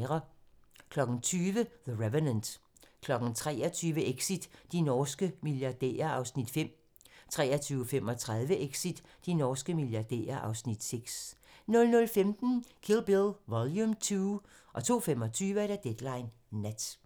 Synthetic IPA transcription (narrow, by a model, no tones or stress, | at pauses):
ʁɐkʰlɒ̽ɡ̥n̩t͡sʰyːʋəðəʁeʋənənd̥ | kʰlɒ̽ɡ̥n̩t͡sʰʁɛ̰ːɒ̽t͡sʰyːʋəʔeɡ̥sid̥ːinɒːsɡ̥əmiljɑ̈d̥ḛːɐɑ̈ʊsnid̥fem̰ | t͡sʰʁɛ̰ːɐt͡sʰyːʊəfem̰ɒ̽t͡sʰʁað̞ˠʋəʔeɡ̥sid̥ːinɒːsɡ̥əmiljɑ̈d̥ḛːɐʔɑ̈ʊsnid̥seɡ̥s | nɔ̽lnɔ̽lfemd̥n̩kʰilˠb̥elˠʋɒljumt͡sʰuː | ʔɒ̽t͡sʰo̝̰ːfem̰ɒ̽t͡sʰyːʋəæɾ̥æd̥ed̥lɑ̈ɪnː | æd̥